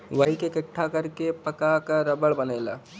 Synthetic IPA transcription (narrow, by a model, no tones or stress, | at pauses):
ʋɐɦikekɪʈʰːakɐɾkepɐkakaɾɐbəɭbɐneːla̰ː